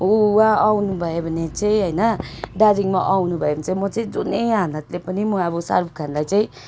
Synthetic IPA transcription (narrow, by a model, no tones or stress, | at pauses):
owãawnubʱʌebʱʌnet͡saĩɦʌjnʌɖaɾiŋmaʔawnubʱʌebʱʌnt͡saĩmʌt͡saĩd͡zunejanat̪lepʌnimʌbʌsa̰rbʱkʰanlajt͡saĩ